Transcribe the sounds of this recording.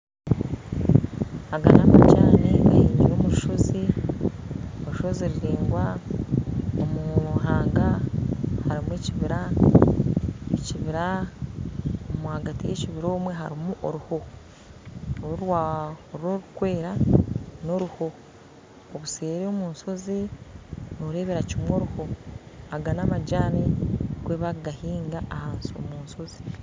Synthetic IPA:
aɡanamacaːneaiːɲɟijo̞ːmuu̥ʃozi | oʃo̞zeɾiɾeːŋɡwa | omuɦaːŋɡa | haɾimuweciβiɾa | eciβiɾa | omuhaɡatijeciβiɾo̞ːmwe̞ɦaɾimuʔoɾuho̞ | oɾwaoɾoɾukwe̞ːɾano̞ɾuhoː | βuseːɾeomuːnso̞zi | noɾe̞ːβeɾacimwo̞ɾuho̞aɡanamaɟaːnikweːβaɡahiːŋɡaːhaːnsio̞̰muːnso̞zi̥

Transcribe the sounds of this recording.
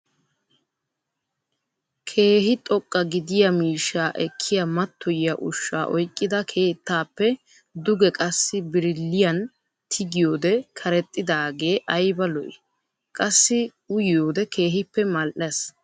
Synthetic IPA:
kʰe̞ːhɪt̪ʼɔkʼːɐɡɪd̪ɪjɐmiːʃːaːʔɛkʰːɪjɐmɐt̪ːɔjɪjɐʔʊʃːa̰ːʔɔjkʼːɪd̪ɐkʰe̞ːt̪ːaːpːɛ | d̪ʊɡɛkʼɐsːɪbɪɾɪlːɪjɐn | t̪ʰɪɡɪjo̞ːd̪ɛkʰɐɾɛt̪ʼːɪd̪aːɡe̞ːʔɐjbɐlɔʔɪ̰ | kʼɐsːɪ | ʊjjoːd̪ɛkʰe̞ːɦɪpːɛmɐlʔes

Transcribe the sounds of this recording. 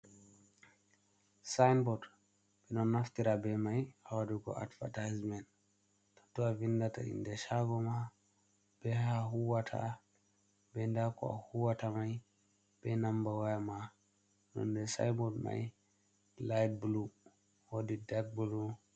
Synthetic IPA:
sajnbɔd | b̥ɛnɔnːaftiɾabɛmajawadiɡɔ̰a̰dva̰tajzmɛnt | tɔ̥tɔavindata̰ḭndɛʃaɡɔma | b̥ɛɦaɦuwatʰa̰ | bɛndakɔ̰a̰huwatamaj | b̥ɛnambawajama | nɔ̰ndɛsa̰jbɔdma̰j | lajd̚blu | wodidaɡ̚bulu

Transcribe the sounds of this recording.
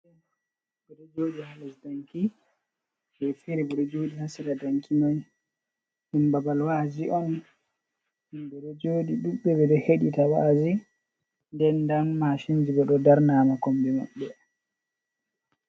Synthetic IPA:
ɛa | ɡɔɗɔd͡ʒoːɗihalasdaŋki | bɛfɛɾɛbɔɗɔd͡ʒoːɗihasiɾadaŋkinɔj | himbabalwad͡ʒiʔɔn | himbɛɗɔd͡ʒoːɗiɗuɓːɛbɛɗɔheɗitawa̰d͡ʒi | ndɛndanmaʃind͡ʒibɛɗɔdaɾnaːmakɔmbɛma̰ɓːɛ

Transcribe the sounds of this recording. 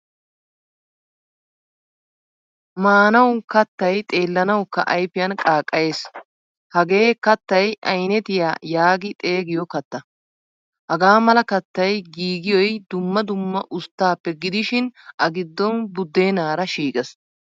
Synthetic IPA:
maːnɐwkɐt̪ːɐjt̪ʼe̞ːlːɐnɐwkːɐ̰ʔɐjpːɪjɐnkʼaːkʼːɐjes | hɐɡe̞ːkɐt̪ːɐjʔɐjnɛt̪ɪjaːjaːɡɪt̪ʼe̞ːɡɪjɔkɐt̪ːɐ | hɐɡaːmɐlɐkɐt̪ːɐjɡiːɡɪjɔjd̪ʊmːɐd̪ʊmːɐʔʊst̪ːaːpːɛɡɪd̪ɪʃɪnʔɐɡɪd̪ːɔnbʊd̪ːeːnaːɾɐʃiːkʼɛs

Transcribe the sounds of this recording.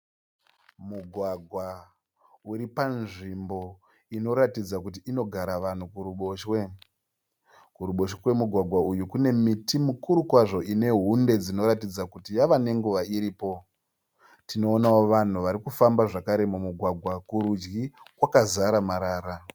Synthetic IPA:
muɡʱwaɡʱwa | uɾipanʐimbo̞ | ino̞ɾatid͡zakut̬iino̞ɡʱaɾaʋan̤ukuɾuɓoʃwe | kuɾuɓo̞ʃekwe̞muɡʱwaɡʱwaujukune̞mitimukuɾukwaʐo̞ʔine̞ɦunde̞d͡zino̞ɾatid͡zakutijaʋane̞ŋɡuʋaiɾiːpo̞ | tino̞ːnawoʋan̤uʋaɾikufambaʐakaɾe̞mumuɡʱwaɡʱwakuɾud͡ʒɡikwakazaɾamaɾaːɾa

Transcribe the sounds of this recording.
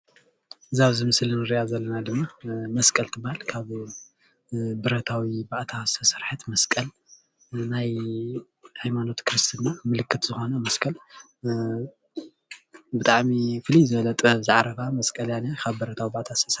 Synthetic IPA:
zaβzɨmɨslɨnɨɾiazɐlːɐnad̪ɨmːamɐskʼɐlt̪ʰɨbahalkʰaβ | bɨɾɐt̪ʰawibaʔt̪ʰasʰɐsɨɾħɨt̪mɐskʼɐl | naj | hajmano̞t̪kʰɨɾɨst̪ʰɨnːamɨlɨkːɨt̪z̥ɨxo̞nɐmɐskʼɐl | bɨt̪ʼaʕmifɨlizɨβɐlɐt̪ʼbɐβzɨʕaɾɐβamɐskʼɐljanakʰaβbɨɾɐt̪ʰawibaʔt̪ʰasʰɐs

